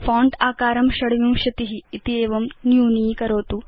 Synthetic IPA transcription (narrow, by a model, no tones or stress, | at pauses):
faːɳɖaːkaːɾɐmɕɐɽʋũːɕɐt̪iɦiːt̪ieːʋɐmnjuːniːkɐɾoːt̪uː